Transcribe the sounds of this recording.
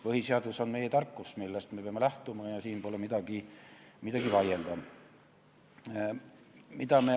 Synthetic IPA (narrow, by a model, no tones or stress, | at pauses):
pɤɦhiseɑd̪̥uso̞nme̞jet̪ɑrkːusmilːest̪me̞peɑmelæht̪umɑjɑsiːnbo̞lemid̪̥ɑɡ̥imid̪ɑɡivɑjeld̪ɑ | mid̪̥ɑme